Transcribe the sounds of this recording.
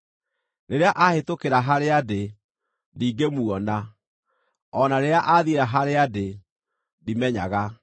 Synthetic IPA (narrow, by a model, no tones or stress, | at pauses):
neɾeaʔahetokeɾaɦaɾeade | diːɡemuɔna | ɔnaɾeɾeaʔaðieɾaɦaɾeade | dimɛɲa̰ɣa